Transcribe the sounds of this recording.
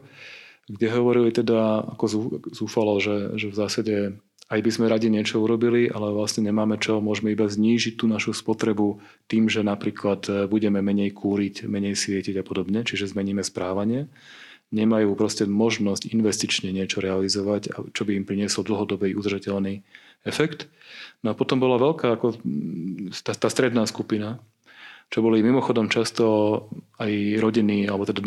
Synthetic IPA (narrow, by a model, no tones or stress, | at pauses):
ɡɟɛɦɔʋɔɾilit̪ɛd̪aa̰kɔzuzuːfalɔʒɛʒɛvzaːsaɟɛ | ajbizmɛɾaɟiɲɪɛt͡ʃɔuɾɔbiliʔa̰lɛʋlasɲɛɲɛmaːmɛt͡ʃɔmʊɔʒmɛibazɲiːʒit̚t̪ːuːnaʃuspɔt̪ɾɛbut̪iːmʒɛnapɾiːklat̪buɟɛmɛmɛɲɛjkʰuːɾicmɛɲɛjsʋɪɛciɟapɔd̪ɔbɲɛt͡ʃiʒɛzmɛɲiːmɛspɾaːʋaɲɪɛ | ɲɛmajuːpɾɔscɛmɔʒnɔscinʋɛst̪it͡ʃɲɛɲɪɛt͡ʃɔɾɛalizɔʋaca̰t͡ʃɔbiːmpɾiɲɪɛsɔld̪l̩ɦɔd̪ɔbɛʔud̪r̩ʒacɛʎni | ɛfɛkt̪ | nɔapɔt̪ɔmbɔlaʋɛlkaːakɔ | t̪at̪aːst̪ɾɛd̪naːskupina | t͡ʃɔbɔlimimɔxɔd̪ɔmt͡ʃast̪ɔ | ajɾɔɟiniːalɛbɔt̪ɛd̪a